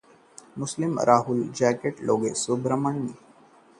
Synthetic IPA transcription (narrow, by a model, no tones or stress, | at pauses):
muslimɾʔaːɦuld͡ʑækeʈloɡesubɾəməɳːi